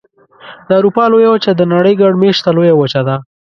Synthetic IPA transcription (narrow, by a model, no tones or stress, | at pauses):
d̪əawɾupɑlojawət͡ʃad̪ənaɽəjɡaɖmeʃt̪alojawət͡ʃad̪a